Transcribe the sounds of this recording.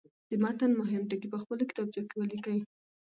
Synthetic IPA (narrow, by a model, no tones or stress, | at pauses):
d̪̥əmɑt̪anmʊɦɪmʈəkipəxpəlokɪ̥t̪ɑb̚d͡ʒokewəlikəwi